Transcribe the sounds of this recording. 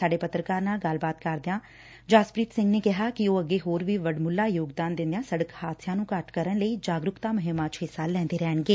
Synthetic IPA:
aːɖeːpət̪ɾəkaːɾnaːlɡəlbaːt̪kəɾd̪eãː | d͡ʒaːspɾiːt̪sɪ̃ŋɡneːkɪɦaːkɪoːəɡeːɦoːɾʋiːʋəɖmʊlːaːjoːɡd̪aːnd̪ɪ̃nd̪eaːsəɽəkhaːt̪sʰjãːnũːkəʈkəɾəɳləiːd͡ʒaːɡɾʊkt̪aːmʊɦɪmːaːt͡ʃɦɪsaːlɛ̃ːnd̪eːɾɛːɳɡeː

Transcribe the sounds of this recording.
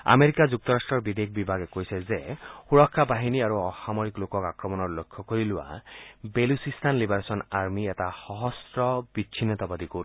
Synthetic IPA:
a̰meɾikad͡ʒuk̚t̪ɔɾasʈɾɔɾbid̪ek̚ʰbibʱaɡekojsezexuɾɔkʰːabaɦiniaɾuɔxamɔɾiklokɔkakɾɔmɔnɔɾlokʰjɔkɔɾiluwa̰belusist̪ʰanlibaɾasɔnaɾmiet̪axɔɦɔsɾɔbit͡ʃʰinɔt̪ɔbad̪iku

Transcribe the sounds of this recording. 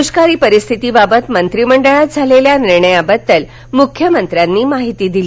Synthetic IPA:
uskaɾiːpəɾist̪ʰit̪iːbabət̪mənt̪ɾiməɳɖəɭat̪̚d͡zʱaleljaniɾɳəjabəd̪ːəl | mukʰjəmənt̪ɾjanːiːmaɦit̪iːd̪ili

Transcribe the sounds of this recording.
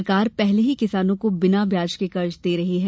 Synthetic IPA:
ɾkaːɾpɛɦleɦikɪsaːnõkobɪnabʱjaːd͡ʒkekɐɾt͡ʃd̪eːɾɐɦiɦɛ

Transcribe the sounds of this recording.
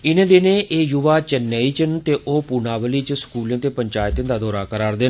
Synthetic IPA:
ɪnẽːd̪eːneːʔeːjʊʋaːt͡ʃənːeːiːt͡ʃənt̪eːʔoːpunaːʋəliːt͡ʃskuːljãːt̪eːpəɲt͡ʃaːjt̪ẽnd̪aːd̪oːɾaːkəɾaːɾd̪eː

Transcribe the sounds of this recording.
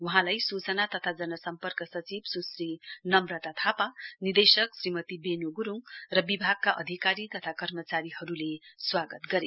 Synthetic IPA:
wuɦãlajsut͡sʌnat̪ʌt̪ʰad͡zʌnʌsʌmpʌrkʌsʌt͡sibsusrinʌmrʌt̪at̪ʰapanird̪esʌksrimʌt̪ibenoɡuɾuŋrʌbibʱaɡ̚kaʔʌd̪ʱikaɾit̪ʌt̪ʰakʌrmʌt͡saɾihʌɾuleswaɡʌt̪ɡʌɾe

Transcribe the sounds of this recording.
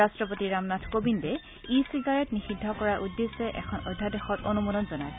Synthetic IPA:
astɹɔpotiɹamnatʰkobindɛ | isiɡaɹɛtnixidʱɔkɔɹaʔudːesɛʔɛ̰kʰɔnɔdʱːadɛxɔtɔnumudɔnzɔnaj

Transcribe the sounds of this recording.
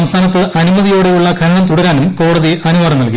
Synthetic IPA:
ɐmsʰaːnɐt̪ːɨʔɐnumɐðijoːɽe̞juɭːɐɡʱɐɾɐɳɐmt̪uɽɐɾaːnumko̞ːɽɐðiʔɐnuʋaːɽɐmnɐɭki

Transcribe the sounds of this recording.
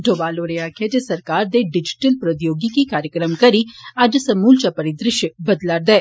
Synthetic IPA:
ɖʱoːbaːloɾejakʰed͡ʒesɐɾkaːɾd̪eɖɪd͡ʒɪ̥ʈəlpɾɐd̪joːɡikikaːɾjəkɾəmkɐɾiɐd͡ʒsɐmuːlt͡ʃapɐɾid̪ɾɪʃjəbɐd̪laːɾd̪ɛː

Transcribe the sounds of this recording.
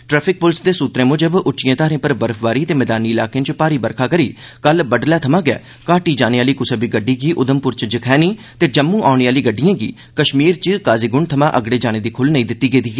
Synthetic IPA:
ʈɾɛːpʰɪk̚pʊlsd̪eːsuːt̪ɾẽːmʊd͡ʒəbʊtːt͡ʃɪjãːt̪aːɾẽːpəɾbəɾpʰʋaːɾiːt̪eːmɛːd̪aːniːɪlaːkeːt͡ʃpaːɾiːbəɾkʰaːkəɾiːkəlbəɖlɛːt̪ʰəmãːɡɛ̰ː | kaːʈiːd͡ʒaːneːaːliːkʊsəbiːɡəɖːiːɡiːʔʊd̪əmpʊɾt͡ʃd͡ʒɪkʰɛːniː | t̪eːd͡ʒəmːũːʔaːʊɳeaːliːɡəɖːijãːɡḭː | kəʃmiːɾt͡ʃkaːziːɡʊɳɖt̪ʰəmãːʔəɡɽeːd͡ʒaːñeːd̪iːkʰʊlnəĩːd̪ɪt̪ːiːɡeːd̪iːɡɛː

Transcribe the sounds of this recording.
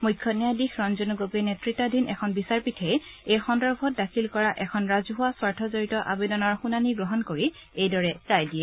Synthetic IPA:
mujkʰːɔnijadixɹɔnzonuɡopenetɹitːadʱinʔɛkʰɔnbisaɹpitʰɛjejxɔndɔɹbʱɔt̚dakʰilkɔɹaʔɛkʰɔnɹazuɦʊwaswaɹtʰɔzoɹitɔʔabedɔnɔɹxunaniɡɹɔɦɔnkoɹiejdɔɹɛkɹajdiɛ

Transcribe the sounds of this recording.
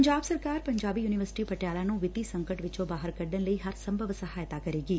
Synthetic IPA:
ɲd͡ʒaːbsɐɾkaːɾpɐ̃ɲd͡ʒaːbijuːnɪʋəɾsɪ̥ʈipɐʈjaːlanõʋɪt̪isɐ̃ŋkəʈʋɪt͡ʃõbaːɦəɾkɐɾd̪ənlɐiɦɐɾsɐ̃mbʱəʋsɐɦaːjət̪akɐɾeːɡiː

